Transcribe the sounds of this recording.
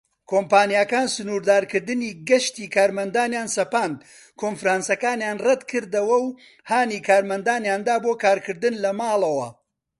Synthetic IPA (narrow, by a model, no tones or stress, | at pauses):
kʰoːmpaːnjaːkaːnsɨnuːɾd̪aːɾkɨɾd̪ɨniːɡɐʃt̪iːkʰaːɾmɐnd̪aːnjaːnsɐpaːnd̪ | kʰoːnfɾaːnsɐkaːnjaːnrɐd̪kʰɨɾd̪ɐwɐw | haːniːkʰaːɾmɐnd̪aːnjaːnd̪aːboːkaːɾkʰɨɾd̪ɨnlɐmaːlˠɐwɐ̰